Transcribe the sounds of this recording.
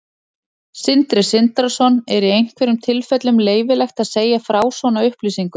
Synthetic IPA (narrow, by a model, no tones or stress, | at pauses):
sɪnt̪ɾɪsɪnt̪asɔnɛɾiejn̥kvɛɾʏmt̪ʰɪlfɛt̪lʏmleːjvɪlɛxt̪aðseːjafɾaːwsvɔwnaʏhpliːsiŋkʏ